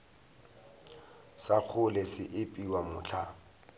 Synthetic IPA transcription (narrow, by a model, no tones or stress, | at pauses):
sak͡xʰʊlɛsɪʔɪpʼiwamʊt͡ɬʰa̰